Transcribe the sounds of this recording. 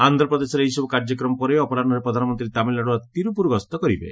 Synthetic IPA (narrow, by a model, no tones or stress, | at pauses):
ant̪ɾɔpɾɔd̪esɔɾeijsɔbɔkaɾd͡ʒɔkɾɔmɔpɔɾeɔpɔɾaɾnɔɾepɾɔd̪ʱanɔmɔnt̪ɾit̪amilaɽuat̪iɾupuɾɡɔst̪ɔkɔɾibḛ